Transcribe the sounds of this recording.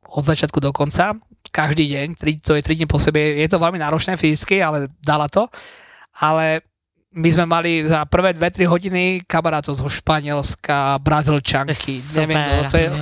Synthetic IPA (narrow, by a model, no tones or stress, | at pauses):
ɔd̪zat͡ʃɪat̪̚kud̪ɔkɔnt͡sa | kaʒd̪iːɟɛɲt̪ɾit̪ɔjɛt̪ɾiɟ̪ɲipɔsɛbɛjɛt̪ɔʋɛlminaːɾɔt͡ʃnɛːfizit͡skialɛd̪alat̪ɔ | alɛ | mizmɛmalizapr̩ʋɛːd̪ʋɛt̪ɾiɦɔɟinikamaɾaːt̪ɔʊzɔʃpaɲɪɛlskabɾazilt͡ʃaŋkʰiɲɛʋɪɛmɔɔjɛ